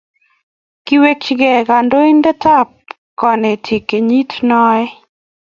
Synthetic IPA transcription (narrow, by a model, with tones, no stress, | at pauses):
ki˦we˦kt͡ʃɡɛ˨ɡa˨ndo˦i˦ndɛ˦ta˦p̚ | kɔ˨ne˨tʰi˨ke˨ɲi˦tnɔ˦ɛ˦